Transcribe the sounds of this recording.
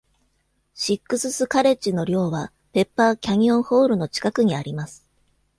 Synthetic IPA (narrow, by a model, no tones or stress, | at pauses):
ɕikːɯ̟sɨsɨkaɾe̞t͡ɕino̞ɾʲo̞ːβa | pe̞pːaːkʲaɲ̟iõ̞ɰ̃ho̞ːɾɯ̟no̞t͡ɕi̥kakɯ̟ɲ̟iaɾʲimasɨ̥